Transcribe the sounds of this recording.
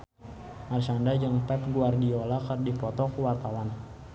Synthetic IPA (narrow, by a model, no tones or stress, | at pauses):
maɾisandad͡ʒəŋpɛp̚ɡuardiolakərdipɔt̪ɔkwart̪awan